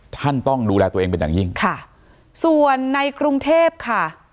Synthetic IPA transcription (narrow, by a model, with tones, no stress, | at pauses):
t̪ʰa˥˩nt̪ɔ˥˩ŋduː˧lɛː˧t̪u˧eː˧ŋpe˧njaː˨˩ŋji˥˩ŋkʰa˥˩ | su˨˩ənːa˧jkɾu˧ŋt̪ʰeː˥˩p̚kʰa˥˩